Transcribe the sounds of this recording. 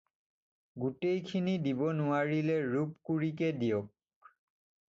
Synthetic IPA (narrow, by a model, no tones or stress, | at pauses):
ɡutejkʰinidibɔnʊaɹilɛɹupkuɹik̬ɛdijɔk̚